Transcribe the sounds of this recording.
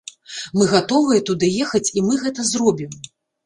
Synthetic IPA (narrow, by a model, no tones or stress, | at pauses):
mɨɣat̪ɔvɨjɐt̪ud̪ɨjɛxɐt͡sʲimɨɣɛt̪ɐzrɔbʲim